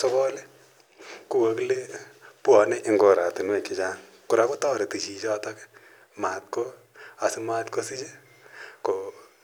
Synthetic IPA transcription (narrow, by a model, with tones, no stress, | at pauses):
so˦bɔ˦le˦ | ku˨ko˨ki˦le˦pu˦ɔ˨ne˦ʔɪ˦ŋɡo˨ɾa˨ti˨n˦e˨kki˦t͡ʃa˦ŋ | ku˨ɾa˨ko˦tɔː˦ɾe˨ti˨t͡ʃi˨t͡ʃɔː˦tɔ˦k | ma˨t̚ko˦ | a˨si˦ma˦tko˦si˦t͡ʃe˦ | ko˨